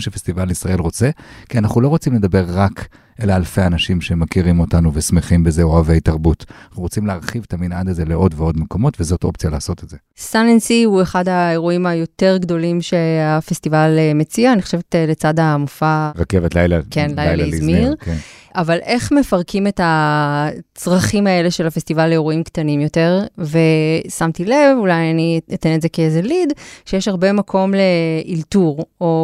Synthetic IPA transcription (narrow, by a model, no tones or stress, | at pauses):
mʃefestivalisʁae̞lʁo̞t͡se̞kianaχnulo̞ʁo̞t͡simle̞d̪abe̞ʁːak | elaːlfejanaʃimʃemakiʁimo̞tanuvesmeχimbe̞ze̞oave̞jtaʁbutnaχnuʁot͡simleaʁχivet̪aminad̪aze̞leʔo̞dveo̞dmeko̞mo̞tvezo̞tʔo̞p̚t͡sijalaːso̞tetze | sanensiue̞χadae̞ʁuimajo̞te̞ʁɡdo̞limʃe̞afestivalemet͡siaːniχoʃevetlet͡sadamufaʁakevetla̰jlakenlajjlaizmiʁnʔavalʔe̞χmefaʁkʰime̞ta | t͡sʁaχimae̞le̞ʃelafestivaleeʁuimkt̪animjo̞te̞ʁve̞samtile̞vulajaniat̪enetzekezelidʃejeɛʃhaʁbemakʰo̞mleʔiltuʁo̞